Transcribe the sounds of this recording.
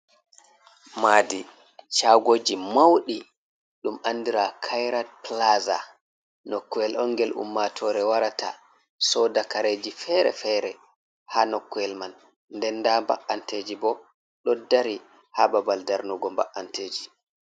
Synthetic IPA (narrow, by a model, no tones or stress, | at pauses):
maːdi | t͡ʃaɡoːd͡ʒimawɗi | ɗumandiɾakʰajɾad̚plaza̰ | nɔkːuɛlʔɔnɡɛlṵmːatʰɔɾɛwaɾata̰ | sɔdakaɾed͡ʒifɛɾɛ̰fɛɾɛ | hanɔkːuɛlman | ndɛndamba̰ʔanteːd͡ʒibɔ | ɗɔdːaɾi | hababaldaɾnuɡɔmba̰ʔanteːd͡ʒi